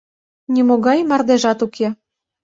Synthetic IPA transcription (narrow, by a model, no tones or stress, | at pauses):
nʲimoɣɑjmɑrd̪eʒɑt̪ukʰe